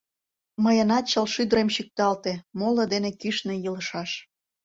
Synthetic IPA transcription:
məjənɑt̪̚t͡ɕəlʃyd̪əɾemʃik̚t̪ɑlt̪emolŏd̪enekyʃnĕjələʃɑʃ

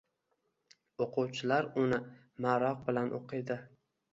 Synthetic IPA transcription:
oqʰʊwt͡ʃʰɪlaɾʊnɪ | maɾɒq̚bɪlanʔo̰qʰɨjd̪ɪ

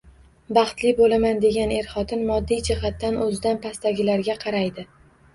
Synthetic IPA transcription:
bɑχt̪lɪbolamand̪e̞ɡʲane̞ɾχɒt̪ʰɪnmɒd̪ːijd͡ʒɪhat̪ːanʔɵzɪd̪anpʰast̪aɡʲɪlaɾɡʲaqʰɑɾajd̪ɪ

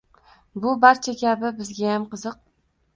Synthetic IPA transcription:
bʊbaɾt͡ʃʰakʲʰabɪbɪzɡʲajamqɨzɨq̚

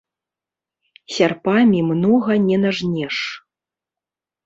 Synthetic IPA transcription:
sʲarpamʲimnɔɣɐnʲɛnaʐnʲɛʂ

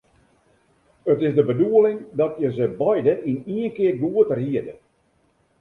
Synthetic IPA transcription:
ətɪzdəbəduəlɪŋdɔtjəzəbɔjdəʔiniənkɪːrɡuətərɦiədə

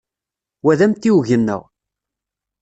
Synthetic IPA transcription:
wæðæmt̪ːiwʝənːə̰w

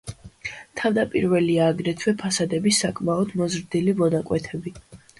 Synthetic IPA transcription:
t̪ʰavd̪apʼḭɾvɛliaːɡɾɛt̪ʰwɛpʰasad̪ɛbisakʼmaɔd̪mɔzɾd̪ilivɔd̪akʼwɛt̪ʰɛbi

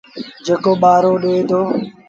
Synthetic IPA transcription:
d͡ʒeːkoːɓaːɾoːɗoeːd̪oː

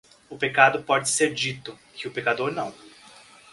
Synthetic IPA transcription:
ʊpekad̪ʊpɔd͡ʒɪseɾd͡ʒit̪ʊkʰɪʊpekad̪oɾnɐ̃w̃

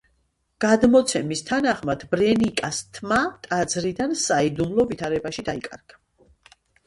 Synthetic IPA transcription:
ɡ̥ad̪mɔt̪sʰɛmist̪ʰanaχmad̪̥bɾɛnikʼast̪ʰmat̪ʼad̪zɾid̪ansaid̪umlˠɔvit̪ʰaɾɛbaʃid̪aikʼa̰ɾɡ̥a

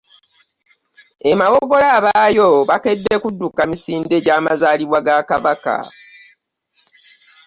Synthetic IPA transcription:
e̞mawo̞ɡo̞laːβaːjo̞βake̞dːe̞kudːukamisiːnde̞ɟaːmazaːliβwaɡakaβaka̰

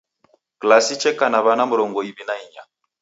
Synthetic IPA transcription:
klasit͡ʃɛkanaβanamuɾɔŋɡɔibinaiɲa

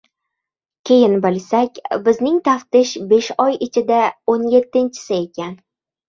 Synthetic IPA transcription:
kʲʰe̞jɪnbɪlsakʲbɪznɪŋt̪ʰaft̪ɪʃbe̞ʃɒjɪt͡ʃʰɪd̪aonje̞t̪ːɪnt͡ʃʰɪ̥sɪe̞kʲʰan

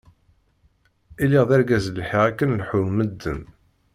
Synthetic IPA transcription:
iliʁðæɾɡæzləlħiʁækːənlħuməd̪ːən

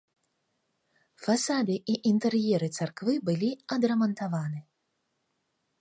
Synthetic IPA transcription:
fasad̪ɨʔiʔint̪ɛrjɛɾɨt̪sarkvɨbɨlʲiɐd̪ɾɐmɐnt̪avanɨ

